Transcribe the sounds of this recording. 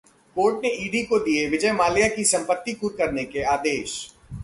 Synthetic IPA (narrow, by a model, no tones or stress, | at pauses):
koːɾʈneʔiːɖikod̪ieʋɪd͡ʒəjmaːlijakisɐ̃mpət̪ːikuːɾkɐɾnekeaːd̪eːʃ